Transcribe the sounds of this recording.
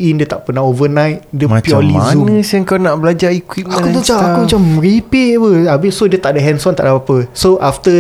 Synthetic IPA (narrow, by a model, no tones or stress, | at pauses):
indət̪aʔpənaovənãjt̪̚dəmapiɔlizunəsəəŋkawnaʔbəlad͡ʒaikwit̪̚aakut̪at͡ʃaakumat͡ʃamɹipiʔpəabiʔsodiət̪aʔdəɦɛnsɔnt̪aʔdabapəsoʔaft̪ə